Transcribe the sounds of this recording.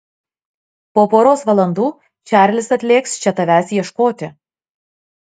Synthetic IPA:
poːpoːɾoːsʋɐlˠɐnd̪uː | t͡ʃʲæˑɾʲlʲɪsɐt̪ʲlʲeːkst͡ʃʲɛt̪ɐʋʲæsjɛʃkoːt̪ʲɪ

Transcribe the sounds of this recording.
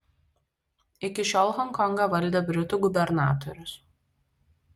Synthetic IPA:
ɪkʲɪʃʲɔlˠɦɔŋkɔŋɡɐʋɐlʲd̪ʲɛːbʲɾʲɪt̪ʊɡʊbʲɛɾnɑ̰ːt̪ɔɾʲʊs

